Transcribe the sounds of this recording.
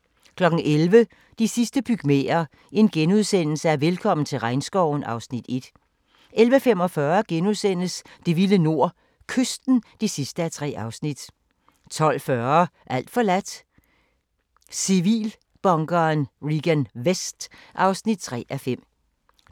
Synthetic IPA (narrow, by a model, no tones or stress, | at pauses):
kʰlɒ̽ɡ̥n̩ʔelʋə | d̥isisd̥əb̥yɡ̥mḛːɐ | e̝nɡ̥enuðˠsen̰l̩səæɐʋelkʰɒ̽m̰n̩t͡sʰe̝lʁɑ̈ɪnsɡ̥ɒʊ̰n̩ɑ̈ʊsnid̥e̝d̥ | ʔelʋəfem̰ɒ̽fɶːɐɡ̥enuðˠsen̰əsd̥e̝ʋiləno̝ɐ̰ | kʰøsd̥n̩d̥isisd̥əæt͡sʰʁɛ̰ːɑ̈ʊsnid̥ | t͡sʰɒ̽l̰fɶɐʔæl̰d̥fɒ̽læd̥ | siʋḭːl | b̥ɒ̽ŋɡ̥ɐnʁiɡ̥ænʋesd̥ʔɑ̈ʊsnid̥̚t͡sʰʁɛ̰ːʔæfem̰